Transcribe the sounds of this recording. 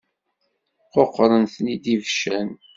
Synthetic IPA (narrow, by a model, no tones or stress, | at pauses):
qoqːɾˤənθnid̪ivʃæn